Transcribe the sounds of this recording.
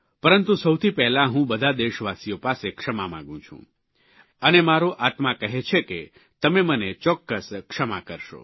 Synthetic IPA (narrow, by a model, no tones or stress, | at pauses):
pəɾənt̪usəwt̪ʰipɛɦlaɦũbəd̪ʱad̪eʃʋasijopasekʂəmamã̰ɡũt͡ʃʰṵ̃ | ənemaɾoʔat̪mãkəɦet͡ʃʰeke | t̪əmemənet͡ʃɔkːəskʂəma̰kəɾʃo̰